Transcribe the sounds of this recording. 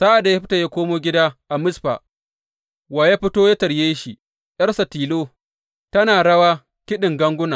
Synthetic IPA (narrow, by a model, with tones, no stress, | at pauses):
saː˦ʔa˨da˨ja˦ɸɪ˦ta˨jaː˦kʷoː˦moː˦ɡʲɪ˦daː˦ʔa˨mʊ˦sɸa̰˨ | waː˨ja˦ɸɪ˦toː˦jaː˦tɐ˨ɽjeː˦ʃi˨ | jɐ˦rsa˨tiː˨loː˦ | tɐ˦naː˨ɽɐ˦waː˦ | kʲɪ˦ɗɪ˨ŋɡɐ˦ŋɡʷʊ˦na˨